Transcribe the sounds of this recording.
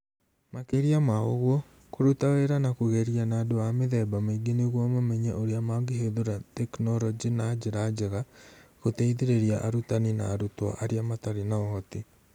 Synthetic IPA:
makeɾiamaoɣwɔ | koɾutaweɾanakoɣɛɾianaːdoameðɛbamaiɡeneɣwɔmamɛɲɛʔoɾeamaɡeɦeðoɾatɛknɔɾɔd͡ʑinad͡ʑeɾad͡ʒɛɣaɣotɛiðeɾeɾiaʔaɾutanina̰ːɾutwa̰ʔaɾeamataɾenaɔhɔte

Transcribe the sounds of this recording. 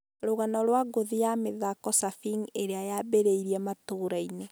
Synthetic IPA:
ɾoɣanɔɾwaɡoðijameðakɔsafiŋeɾeajabeɾeiɾiɛmatoɾaine

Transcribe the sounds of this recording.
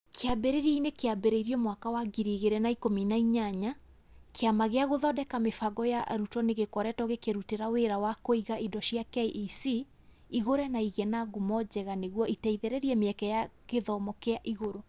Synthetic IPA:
kʰeabeɾeɾiainekeabeɾeiɾiɔmwakawaɡiɾiɣeɾɛnaikominaiɲaɲa | kʰeamaɣeaɣoðɔdɛkamefaɡɔjaʔa̰ɾutɔneɣekɔɾɛtɔɣekeɾuteɾaweɾawakoiɣaʔidɔʃiakɛiʔisi | iɣoɾɛnaiɣɛnaɡumɔd͡ʑɛɣaneɣwɔʔitɛiðɛɾɛɾiɛmeɛkɛjaɣeðɔmɔkeaʔiɣoɾo

